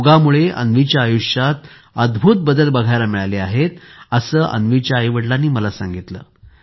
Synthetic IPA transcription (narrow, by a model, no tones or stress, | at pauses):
uɡamuɭeʔə̰nʋit͡ɕjaːjuʂjat̪ | əd̪bʱut̪̚bəd̪əlbəɡʱajlamiɭaleaɦet̪əsəːʔə̰nʋit͡ɕjaəjʋəɽlanːiːməlasa̰ŋɡit̪lə̰ː